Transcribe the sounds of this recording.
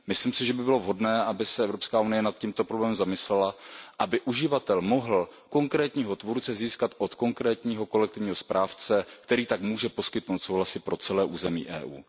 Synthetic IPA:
mɪsliːmsɪʒɛbɪbɪlo̞vɦo̞dnɛːabɪsɛɛvɾopskaːunɪjɛnat̪̚ciːmt̪opɾoblɛːmɛmzamɪslɛlaʔabɪʔuʒɪvat̪ɛlmo̞ɦl̩ko̞ŋkɾɛːt̪ɲiːɦo̞t̪vuɾt͡sɛziːskat̪ʔot̪ko̞ŋkɾɛːt̪ɲiːɦo̞ko̞lɛk̚t̪ɪvɲiːɦo̞spɾaːft͡sɛkt̪ɛɾiːt̪akmuːʒɛpo̞skɪt̪nowt̪so̞wɦlasɪpɾo̞t͡sɛlɛːʔuːzɛmḭːʔɛ̰ːʔṵː

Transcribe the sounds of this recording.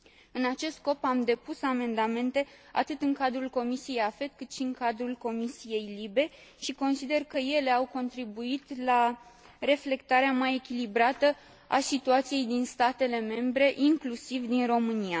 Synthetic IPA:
ɨnat͡ʃe̞st̪sko̞pamd̪e̞pusame̞nd̪ame̞nt̪e̞a̰t̪ɨt̪ɨŋkad̪ɾulko̞misije̞jafe̞t̪kɨt̪ʃiɨŋkad̪ɾulko̞misije̞jlibe̞ | ʃiko̞nsid̪e̞rkəje̞le̞awko̞nt̪ɾibuit̪la | ɾe̞fle̞kt̪aɾeamaje̞kʲilibɾat̪ə | a̰sit̪uat̪sije̞jd̪inst̪at̪e̞le̞me̞mbɾe̞ʔiŋklusivd̪inro̞mɨnia

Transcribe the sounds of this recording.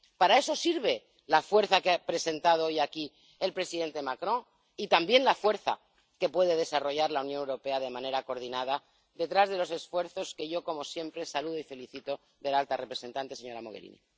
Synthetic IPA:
paɾae̞so̞siɾβ̞e̞ | lafwe̞ɾθakeapɾe̞se̞nt̪að̞oojaki | elpɾe̞siðe̞nt̪e̞makɾõ̞ | it̪ambje̞nlafwe̞ɾθa̰ | ke̞pwe̞ð̞e̞ð̞e̞saro̞ʝaɾlaunjonewɾo̞pe̞að̞e̞mãne̞ɾakoɾðinaða | d̪e̞t̪ɾazðe̞lo̞se̞sfwe̞ɾθo̞ske̞ʝo̞ko̞mo̞sje̞mpɾe̞saluð̞oife̞liθit̪o̞ | ðe̞lalt̪are̞pɾese̞nt̪ant̪e̞seɲo̞ɾamo̞ɣeɾḭnḭ

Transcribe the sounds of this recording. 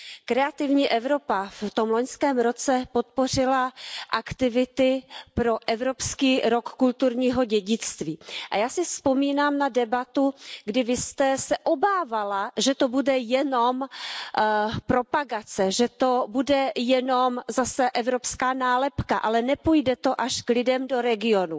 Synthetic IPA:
kɾɛat̪ɪvɲiːʔɛvɾo̞paft̪o̞mloɲskɛːmɾo̞t͡sɛpot̪̚po̞r̝ɪlaʔakt̪ɪvɪt̪ɪpɾo̞ʔɛvɾopskiːɾokːult̪uɾɲiːɦo̞ɟɛɟɪt͡st̪viːʔa̰jaːsɪspo̞miːnaːmnadɛbat̪uɡdɪvɪst̪ɛsɛʔo̞baːvalaʒɛt̪o̞budɛjɛno̞m | pɾo̞paɡat͡sɛʒɛt̪obudɛjɛno̞mzasɛʔɛvɾopskaːnaːlɛpkaʔalɛnɛpuːjdɛt̪o̞ʔaʃklɪdɛmdo̞ɾɛɡɪo̞nu

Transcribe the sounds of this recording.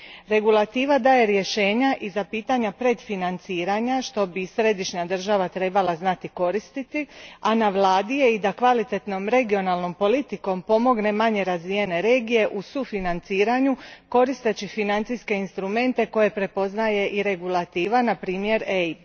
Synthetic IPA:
ɾe̞ɡulˠat̪iːʋad̪aːje̞ɾje̞ʃe̞ːɲaʔizapiːt̪aɲapɾe̞d̪finant̪siːɾaɲaʃt̪o̞bisɾe̞d̪iʃɲad̪r̩ʒaʋat̪ɾe̞ːbalaznat̪iko̞ɾist̪it̪ianaʋlˠaːd̪ije̞id̪akʋalit̪e̞t̪no̞mɾe̞ɡio̞nalˠno̞mpo̞lit̪iko̞mpo̞mo̞ɡne̞maɲe̞ɾazʋije̞ne̞ɾe̞ːɡije̞ʔusufinant̪siːɾaɲuko̞ɾist̪e̞t͡ɕifinant̪siske̞inst̪ɾume̞nt̪e̞ko̞je̞pɾe̞po̞znaje̞ʔiɾe̞ɡulˠat̪iːʋanapɾiːmje̞ɾej

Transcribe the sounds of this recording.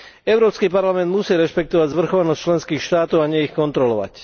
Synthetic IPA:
ɛʊɾɔːpskiːpaɾlamɛnd̪musiːɾɛʃpɛk̚t̪ɔʋaɟzʋr̩xɔʋanɔsct͡ʃlɛnskiːxʃt̪aːt̪ɔʊaɲɛixkɔnt̪ɾɔlɔʋa̰c

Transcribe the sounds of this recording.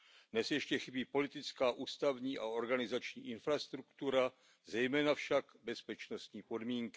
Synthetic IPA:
dnɛsjɛʃcɛxɪbiːpo̞lɪt̪ɪt͡skaːʔuːst̪avɲiːʔao̞ɾɡanɪzat͡ʃɲḭːʔɪnfɾast̪ɾukt̪uɾa | zɛjmɛːnafʃakbɛspɛt͡ʃno̞st̪ɲiːpo̞dmiːŋkɪ̥

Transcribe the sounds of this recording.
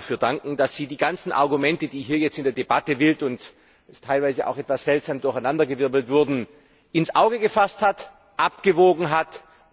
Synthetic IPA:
fyːɐdaŋkŋ̩d̥asz̥iːdiːɡant͡sn̩ʔa̰ɐɡumɛntədiːɦiːɐjɛt͡stɪndeːɐdebatəvɪltʊnt | ɛstʰːaɪlvaɪzəʔa̰ʊxɛtv̥asz̥ɛltz̥aːmdʊɐçaɪnandɐɡəvɪɐbl̩tv̥ʊɐdn̩ | ɪnsʔaʊɡəɡəfasthat | ʔapɡ̥əvoːɡŋ̩ɦat

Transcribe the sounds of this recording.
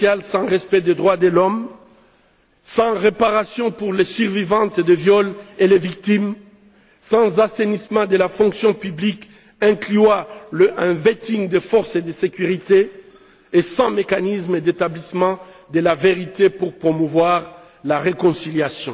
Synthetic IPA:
jalsɑ̃ʁɛspɛd̪ed̪ʁwad̪əlɔm | sɑ̃ʁepaʁasjɔ̃puʁlesyʁvivɑ̃t̪d̪evjɔlelevik̚t̪im | sɑ̃zasenismɑ̃d̪əlafɔ̃ŋksjɔ̃pyblik | ɛ̃klyalɛ̃vet̪iŋd̪əfɔʁsed̪əsekʲyʁit̪eː | sɑ̃mekanismed̪et̪ablismɑ̃ | d̪əlaveʁit̪epuʁpχomuvwaʁ | laʁekɔ̃siljasjɔ̃

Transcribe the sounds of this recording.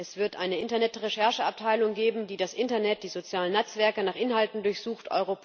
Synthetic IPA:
ʔɛsv̥ɪɐtʔaɪnəʔɪntɐnɛtʁeʃɛɐʃəap̚tʰaɪlʊŋɡeːbm̩diːdasʔɪntɐnɛt̚d̥iːzot͡sjaːlənːɛt͡sv̥ɛɐkənaːχʔɪnɦaltn̩dʊɐçz̥uːxtʔɔ̰ʏʁop

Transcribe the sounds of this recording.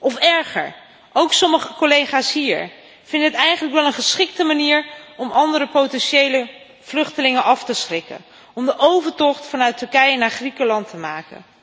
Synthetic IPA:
ʔɔfɛɹχə̰ɹ | ʔowksɔməχəkolejχaːsɦiːɹ | vɪndəɦətɛjχənləkʋɛlˠənχəsχɪk̚təmaniːɹɔmɑndəɾəpowtɛnʃejlə | v̥lɵχtəlɪŋənʔɑftəsχrɪkə̰n | ɔmdəʔowvəɹtɔχtfɑnœɥtɵɹkɛjənaːɹχrikəlɑntəmaːkə̰n

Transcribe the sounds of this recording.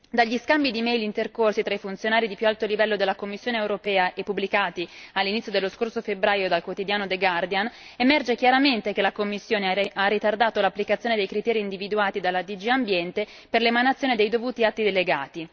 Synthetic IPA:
d̪aʎːiskambid̪imɛjlint̪erkorsit̪ɾaifunt̪sjonaːɾid̪ipjualt̪olivɛlːod̪elːakomːisːjoːneewɾopɛːaʔepːubːlikaːt̪ialːinit̪sːjod̪elːoskorsofebɾaːjod̪alkwot̪id̪jaːnod̪eɡard̪ian | emɛrd͡ʒek̟jaɾament̪ek̟elakomːisːjoːnearːit̪ard̪aːt̪olapːlikat̪sjoned̪ejkɾit̪ɛːɾiːnd̪ivid̪uaːt̪id̪alːad̪id͡ʒiambjɛnt̪e | perlemanat̪sːjoːned̪ejd̪ovuːt̪iat̪ːid̪eleɡaːt̪i

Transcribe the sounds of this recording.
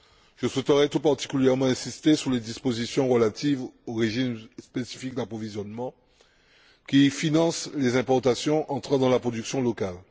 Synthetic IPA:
ʒ̥əswɛt̪əʁɛt̪upaʁt̪i̥kʲyljɛʁmɑ̃ɛ̃sist̪esyʁled̪ispozisjɔ̃ʁəlat̪ʰivoʁeʒimspesi̥fik̚d̪apχɔvizjɔnmɑ̃ | kʲifinɑ̃slezɛ̃pɔʁt̪asjɔ̃ʔɑ̃t̪χad̪ɑ̃lapχod̪yksjɔ̃lɔkal

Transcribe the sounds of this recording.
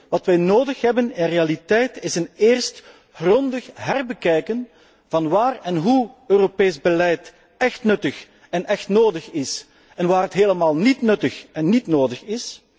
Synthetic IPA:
ʋɑtʋɛjnoːdəxɦɛbənɪnrealitɛjtɪsəneːrst | ɣrɔndəxɦɛrbəkɛjkən | v̥ɑnʋaːrɛnɦuøːropeːzbəlɛjt | ɛxtnɵtəx | ɛnɛxtnoːdəxɪs | ɛnʋaːrɦətɦeːləmaːlˠnitnɵtəxɛnːitnoːdəxɪs

